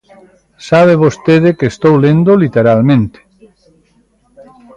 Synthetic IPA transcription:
saβ̞eβost̪eð̞ekest̪owlend̪olit̪eɾalmẽnt̪e̥

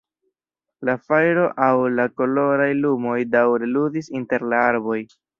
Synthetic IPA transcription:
lafajɾo̞ʔawlako̞lo̞ɾajlumo̞jdawɾe̞luzisinte̞ɾlaaɾbo̞j

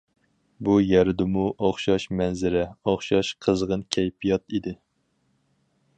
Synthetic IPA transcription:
bujæɾd̪ɪmuʔoχʃɑʃmɛnzɪɾɛoχʃɑʃqʰəzʁənkʲʰɛjpʰijɑt̪id̪ɪ

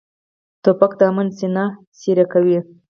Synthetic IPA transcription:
t̪opakd̪ɑmansina | siɾakawi

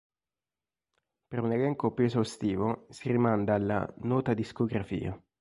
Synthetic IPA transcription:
peɾunelɛŋkopjuezawst̪iːvosirimand̪aːlːa̰nɔːt̪ad̪iskoɡɾafḭːa̰

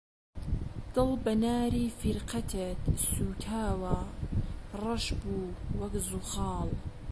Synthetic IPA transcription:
d̪̥ɨlbɐnaːɾiːfiɾqɐt̪ʰət̪suːt̪ʰaːwɐ | rˤɑʃbuːwɐkzuxɑːl

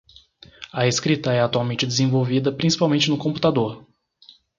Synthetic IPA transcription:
ɐeskɾit̪ɐɛat̪uawmẽnt͡ʃɪd̪ezẽvowvid̪ɐpɾĩsi̥pawmẽnt͡ʃɪnʊkõmpu̥t̪ad̪oɾ

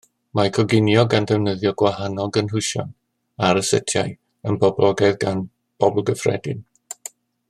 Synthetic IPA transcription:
makʰɔɡɪnjɔɡandɛvnəðjɔɡwahanɔɡənɦʊʃɔ̰n | aɾəsə̰tʰjaj | ənbɔblɔɡɛðɡan | b̥ɔblˠɡəfrɛ̰dɪ̰n

